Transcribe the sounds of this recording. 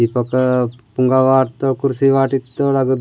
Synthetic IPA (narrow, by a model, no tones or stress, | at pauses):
ipɐkpuŋɡaʋaːɾt̪okuɾsiʋaːʈit̪ːolaɡəd̪